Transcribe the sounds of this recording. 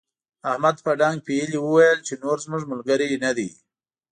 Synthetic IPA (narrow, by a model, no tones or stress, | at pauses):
ahmad̪paɖaŋɡ̚piəliwəwajəlt͡ʃenoɾzmuʐmʊlɡaɾinad̪i